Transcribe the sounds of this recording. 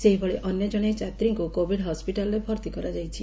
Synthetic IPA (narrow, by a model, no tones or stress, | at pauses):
seɦibʱɔɭeʔɔnjɔd͡ʒɔɽ̃et͡ʃat̪ɾiŋkukobʱiɽɦɔspiʈalɔɾebʱɔɾt̪ikɔɾad͡ʒajt͡ʃʰi